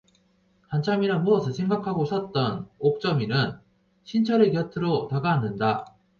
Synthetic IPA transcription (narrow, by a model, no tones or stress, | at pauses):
kant͡ɕʰamiɾanmuʌsʰɯsʰe̞ŋɡakʰaɡoɕ͈ʰʌt̚t͈ʌnok̚t͡ɕ͈ʌminɯn | ɕʰint͡ɕʰʌɾekjʌtʰɯɾotaɡanːɯnda